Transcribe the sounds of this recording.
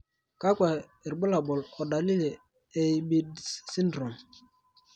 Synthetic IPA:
ka˦ka˨ | ɾɓə˦la˨ɓɔ˨lɔ˨da˨li˦le˨ | e˦˨ɓi˦dsi˦ndɾɔ˨m

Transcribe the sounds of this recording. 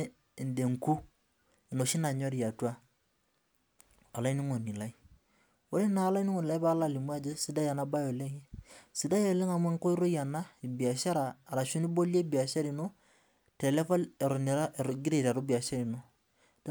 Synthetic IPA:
nde˨ŋ˨ku˦ | i˨no˨ʃi˦na˨ɲɔ˦ɾi˨a˨twa˦ | a˨la˦i˦ni˦ŋo˨ni˨la˦i˦ | o˦e˦na˨˦la˦i˦ni˦ŋo˨ni˨la˦pa˦la˦˨li˨m˦a˦d͡ʒe˦si˨˦da˦ja˨na˦ba˦jo˨le˦ŋe˦si˨da˦jo˨le˦ŋa˨me˦ŋ˦ko˦i˦ɾo˦ja˨na˦i˨bi˨a˨ʃa˦ɾaː˨ɾa˨ʃu˦ni˦bo˦lja˦i˦bi˨a˨ʃa˦ɾi˨no˦ | te˨le˦fɔ˦le˨ɾo˨n˨ɾa˦˨ɡi˦ɾe˨ɾa˨ɾu˦bi˨a˨ʃa˦ɾi˨no˦ | t

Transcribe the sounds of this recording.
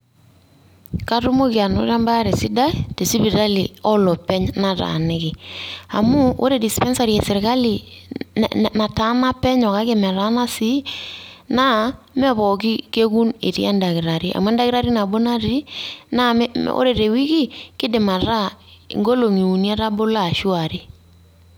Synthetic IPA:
ka˦tʊ˦mo˦kɪ˨a˨no̰˦ɾa˦mba˦ɾe˨si˦da˦te˨si˦pi˨ɾa˦li˨ɔ˦lɔ˨pɛ˦ɲna˨ta̰˨nɪ˦kɪ˨a˨mʊ˦o̰˦ɾe˨di˨spɛ˦nsa˨ɾi˨e˨sɪ˨ɾka˦li˨ | na˨ta˦na˦pɛ˦ɲɔ˨ka˦kɪ˦mɛ˨ɾa˦na˦si˦na˦ | mɛ˦βɔ˨ki˦ke˦ku˦nḛ˨tḭ˦a̰˦nda˨kɪ˨ɾa˨ɾi˦ʔa̰˨mu˦ɛ˦nda˦kɪ˦ɾa˦ɾi˦na˨bo˦na˦ɾi˦na˦o̰˦ɾe˨ɾe˨wi˦ki˦kɪ˦dɪ˨ma˨ɾa̰˦˨ŋɡo˦lo˨ŋi˨u˨nja˦ɾa˦bo˦la˦˨ʃu˦a˨ɾi˦

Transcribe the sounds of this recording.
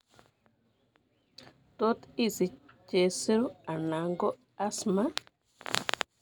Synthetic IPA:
t̪o˦t̪i˦˨si˨ce˨si˦ɾu˦a˨na˨˦ŋɡo˦ | a˦sma˦

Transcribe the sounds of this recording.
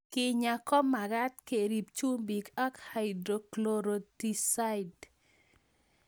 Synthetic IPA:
kɪ˦ɲa˨kɔ˦mːa˨ɡa˦t̪̚ke˨ɾi˨p̚t͡ʃu˦mbi˨ka˦kha˨ɪdɾo˨klo˨ɾo˨di˨sa˦ɪd

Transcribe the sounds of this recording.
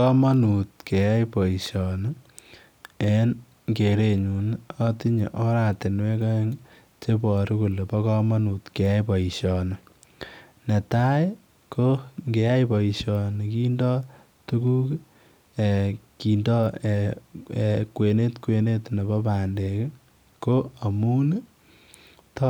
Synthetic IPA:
ɔ˦mɔ˦nu˨t̚ke˨ja˦jpɔ˨i˨ʃɔ˨n | en | ŋke˨ɾe˨ɲu˨nɔ˦ti˦ɲḛ˨ʔɔ˦ɾa˨te˨nwe˦ka˦ŋ | t͡ʃe˦pɔ˨ɾi˦ku˨le˨pɔ˦kɔ˦mɔ˦nu˨tke˨ja˦jpɔ˨i˨ʃɔ˨nɔ˨ | ne˨ta˦j | kʰo˦ŋɡe˨ja˦jpɔ˨i˨ʃɔ˨ni˨ki˦ndɔ˦ | tu˦ku˦k | e˨ki˨ndɔ˦eekwe˨ne˦tkwe˨ne˦tne˨bɔ˦pa˨nde˨k | ko˦a˨mu˦n˦ | t

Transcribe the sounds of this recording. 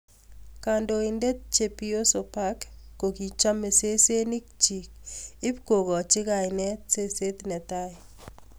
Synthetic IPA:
ka˨ndo˨i˨nde˦t̚t͡ʃe˨pi˦o˦so˨pa˦kːo˨ki˨t͡ʃa˦me˨se˦se˦ni˦k̚t͡ʃi˨k̚ɪ˦pko˨kɔ˨t͡ʃɪ˦ka˨ɪnɛ˦t̚se˦se˦tnɛ˨ta˦i˨

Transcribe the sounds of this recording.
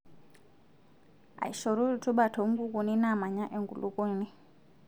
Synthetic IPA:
a̰˨i˨ʃɔ˨ɾu˦ɾu˨tu˦ɓa˨tʰɔ˨˦ŋ˦ɡu˦ku˨ni˦na˦˨ma˨ɲa˦ʔɛ˨ŋɡṵ˨lu˦kɔ˦ni˦

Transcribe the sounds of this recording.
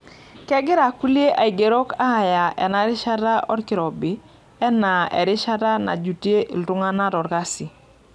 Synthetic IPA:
kɛ˦ɡɪ˦ɾa˨ku˦li˦e˦ʔa˨i˨ɡe˨ɾɔ˦ka˦˨ja˨ʔɛ̰˨na˦ɾɪ˦ʃa˦ɾa˦ʔɔ˦ɾkɪ˨ɾɔ˨bɪ˦ | ɛ˦na˨ɛ̰˨ɾɪ˦ʃa˦ɾa˦na̰˨d͡ʒu˨tje˦ʔḭ˨ltʊ˦ŋa˦na˦ɾɔ˨ɾka˦sɪ˨

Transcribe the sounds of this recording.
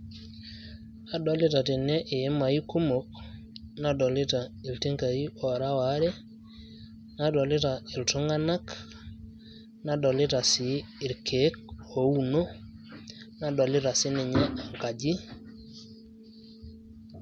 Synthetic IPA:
a˨dɔ˨lɪ˦ta˨te˨nɛ˦ʔe˨e˦ma˨i˦ku˦mo˨k | na˦dɔ˨lɪ˦ta˨i˨lte˦ŋka˨i˦ɔ˨ɾa˦wa˨˦ɾɛ˦ | na˦˨dɔ˨lɪ˦ta˨ɪ˨lto˦ŋa˦na˦k | na˨dɔ˨lɪ˦ta˨sɪː˨ɾkʰe˨˦k̚o˨u˨no˦ | na˦dɔ˨lɪ˦ta˨sɪ˦nɪ˨ɲɛ˦a˨ŋka˨d͡ʒi˦

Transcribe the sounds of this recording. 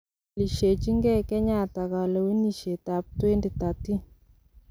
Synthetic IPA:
li˨ʃe˨t͡ʃi˦ŋɡɛ˦kɛ˦ɲa˦˨ta˨ka˨lɔ˨wi˦ni˨ʃe˨ta˨p̚twe˦ndi˨ta˨ti˦

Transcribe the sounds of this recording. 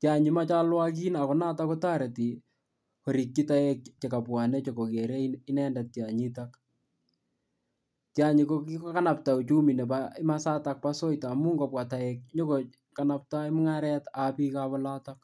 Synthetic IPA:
kɪaɲima˦t͡ʃa˦lwak̬i˦na˨kɔ˨na˦ta˦kɔ˦ta˦ɾe˨ti˨ | ɔɾi˨kːi˦ta˦ɛk̚t͡ʃe˨ka˨pwa˨ne˦t͡ʃeko˨ke˨ɾe˦i˦nɛ˦nda˨t̚kaɲitak | kɪaɲi˨kokikoka˦na˨p̚ta˨u˨t͡ʃu˦mi˨nɛ˨paɪ˦masa˦tak̚paso˦jtamu˦ŋɡɔ˨pwa˨ta˨ɛk̚ɲɔ˦ko | kanap̚ta˦ɪmŋaɾɛtapi˦kaβɔla˦tak̚

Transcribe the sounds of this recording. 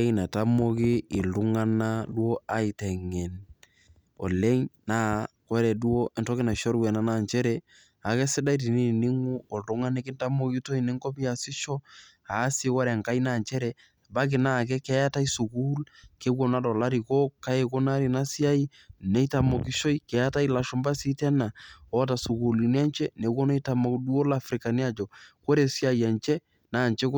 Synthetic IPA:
na˨ta˦mo˦kiː˦˨lu˦ŋa˦na˦du˦o˦a˦i˨tɛ˨ŋɛ˨n | ɔ̰˨le˦ɲna˦kɔ˦ɾɛ˨du˦o˦ɛ˨ntɔ˦kɪ˦na˨ʃɔ˦ɾwɛ˨na˦na˦˨nt͡ʃɛ˦ɾɛ˦ | a˨kɛ˦sɪ˦da˦i˦t̬i˨ni˦˨ni˦ŋu˦ɔ˨dʊ˦ŋa˦nɛ˦kɪ˦nta˦mo˦ki˦to˦i˨nɪ˦ŋkɔ˦pi˦ja˨sɪ˦ʃɔ˦ | a˨˦si˦kɔ˦ɾɛ˨ŋka˦i˦na˦˨nt͡ʃɛ˦ɾɛ˨ | ba˦k̬ɪ˨na˦˨k̬ɛ˦kɛ˦ja˦ta˦i˦su˨kuː˦lke˦wɔ˦˨na˦dɔ˨la˦ɾi˨kɔ˦ka˦je˨ko˦na˦ɾi˨na˦si˦a˦i˦ | nɛ˨˦i˦ta˨mɔ˨ki˦ʃo˦i˦kɛ˨ja˦ta˦i˦la˨ʃɔ˦mba˦si˦tɛ˦na˨ɔ˦ta˨su˨kuː˨li˨ni˦a˦nt͡ʃɛ˦ne˨˦wɔ˦nɛ˦ta˨mɔ˨kdu˦o˦la˨fɾɪ˨ka˨ni˦a˦d͡ʒɔ˨ko˦ɾe˨si˦a˦ja˨nt͡ʃɛ˦ | naː˨nt͡ʃɛ˦k

